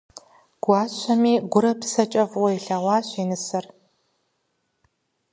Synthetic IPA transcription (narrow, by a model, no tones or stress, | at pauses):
ɡ̥ʷɑːɕʷɐmiːɡʷʊɾɐpsɐt͡ʃʼɐvwɐjɬɐʁʷwʷɑːɕʷeːnɨsɐr